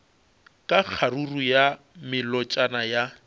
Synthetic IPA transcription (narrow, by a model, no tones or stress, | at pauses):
kʼak͡xʰaruruja | mɪlɔt͡ʃʼanaja